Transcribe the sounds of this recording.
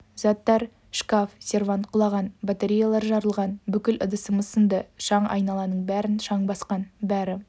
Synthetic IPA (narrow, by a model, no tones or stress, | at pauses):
zɑt̪ːɑɾ | ʃkafsʲe̞rvant̪̚qʰʊlˠɑʁɑnbat̪eɾʲijalˠɑɾʒɑɾəlˠʁɑnbʏkʲɪlʔə̰d̪əsəməsənd̪əʃɑɴʔɑ̰jnɑlˠɑnəɴbæɾɪnʃɑɴbɑsqɑnbæɾɪ